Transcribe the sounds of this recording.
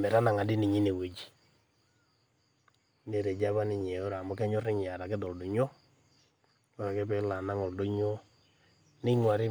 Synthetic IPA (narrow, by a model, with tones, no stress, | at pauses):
mɛ˨ɾa˦na˨ŋa˨di˦nɪ˨ɲi˦ne˨we˨d͡ʒi̥˨ | ne˨ɾe˨d͡ʒa˦βa˦nɪ˨ɲe˨o˦ɾa˨mɔ˦k̬ɛ˦ɲɔ˦rɪ˦ɲ˨a˨ɾa˨kɛ˦dɔ˨ldo˨ɲo˦ | ɔ˦ɾa˨kɛ˦pɛ˦la˨na˦ŋɔ˨ldo˦ɲo˦ | nɪ˦ŋwa˨ɾɪ˦